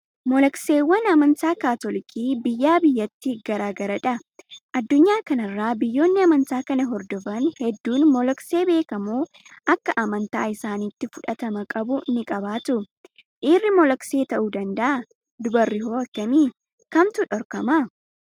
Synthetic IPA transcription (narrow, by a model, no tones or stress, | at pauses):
mɔlɐkse̞ːwːɐnɐmɐnt̪aːkaːt̪ɔlɪkʰiːbɪjːaːbɪjːɐt̪ːiɡɐɾaːɡɐɾɐᶑɐʔɐd̪ːʊɲːaːkɐnɐrːaːbɪjːo̞ːnːɪɐmɐnt̪aːkɐnɐɦɔɾd̪ɔfɐnhɛd̪ːuːnmɔlɐkse̞ːbe̞ːkɐmuː | ʔɐkːɐʔɐmɐnt̪aːɪsaːniːt̪ːɪfʊᶑɐt̪ɐmɐkʼɐbʊnɪkʼɐbaːt̪ʊ | ʔɪrːɪmɔlɐkse̞ːt̪ɐʔuːd̪ɐnd̪ɐʔɐ | d̪ʊbɐrːɪɦoːɐkːɐmiː | kɐmt̪ʊᶑɔɾkɐma